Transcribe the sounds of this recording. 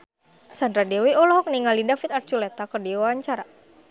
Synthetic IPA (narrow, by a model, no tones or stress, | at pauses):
sand̪ɾadɛwiɔlɔɦɔk̚niŋalidafit̪art͡ʃulɛt̪akərdiwawaɲt͡ʃaɾa